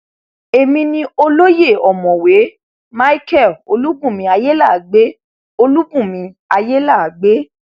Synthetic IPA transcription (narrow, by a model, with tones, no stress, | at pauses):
e˨mĩ˧nĩ˧o˧lo˦je˦˨ɔ˨mɔ̃˨we˨˦ | ma˦i˦kɛ˦˨lo˧lu˦bũ˦˨mĩ˧a˧je˦la˦˨ɡ͡be˦ | o˧lu˦bũ˦˨mĩ˧ | a˧je˦la˦˨ɡ͡be˦